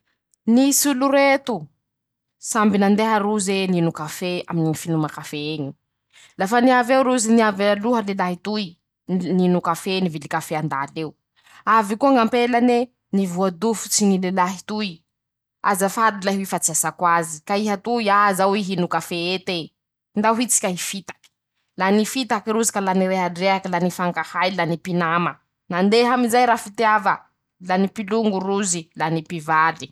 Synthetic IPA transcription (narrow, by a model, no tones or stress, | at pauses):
nisuluɾet̪u | sambinand̪eɦaɾuzeninukafea̰minifinumakafeeɲi | lafaniavewɾuziniavaluɦəlelaɦit̪uj | ninukafenivilikafeand̪aleu | avikuaŋampelane | nivuad̪ufu̥t͡siɲilelaɦit̪ui | azafad̪ilaɦuifat͡siasakwazikaiɦat̪uiazawiɦinukafeet̪e | nd̪aɦit͡si̥kʲaifit̪ḁki̥ | lanifit̪akiɾuzikalaniɾeɦaɖ͡ʐeakilanifaŋkahajlanipinamə | nand̪eɦamizajɾafit̪iavə | lanipiluŋɡuruzilanipivali̥